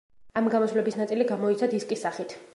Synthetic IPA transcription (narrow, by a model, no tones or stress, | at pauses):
amɡamɔsvlɛbisnat̪sʼiliɡamɔit̪sʰad̪iskʼisːaχit̪ʰ